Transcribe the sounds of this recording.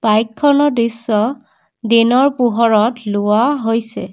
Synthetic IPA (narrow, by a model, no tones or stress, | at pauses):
b̥ajkʰːɔnɔdisːɔ | dinɔɹpuɦɔɹɔtlʊwaɦojsɛ